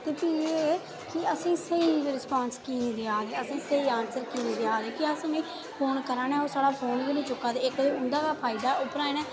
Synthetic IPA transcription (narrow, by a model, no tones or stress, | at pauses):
t̪eːpʰiːeː | kɪəsĩːsəiːɾɪspaːnskiːnĩːd̪eːaːd̪eːəsĩːsəiːãːnsəɾkiːnĩːd̪eaːd̪eːkɪəsĩːnẽː | pʰoːnkəɾãːnɛːɦoːsaːɽaːpʰoːnbiːnẽːt͡ʃʊkːaːd̪eːɪkd̪eːʊnd̪aːkaːpʰaːiːd̪aːʊpɾaːẽnɛ̃ː